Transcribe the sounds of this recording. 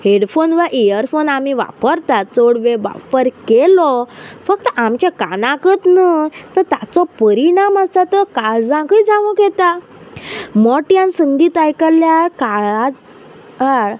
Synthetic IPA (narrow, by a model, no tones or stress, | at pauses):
ɦeɽfonʋəʔijəɾfonamiʋa̰pəɾt̪at̪̚t͡soɽʋeʋa̰pəɾkelɔfək̚t̪əʔamt͡ɕakanãkət̪nət̪əɾt̪at͡sɔpəɾiɳaməsat̪əkaɾd͡zãkəid͡zaʋə̃kɛt̪a | mɔʈjãnsəŋɡiːt̪ajkəlːjakaat̪ | a